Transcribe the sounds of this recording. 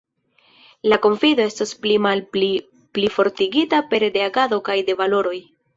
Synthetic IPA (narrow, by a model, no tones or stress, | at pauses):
lako̞ɱfido̞e̞stasplimalli | plifo̞ɾtiɡitape̞ɾde̞aɡado̞kajde̞valo̞ɾo̞j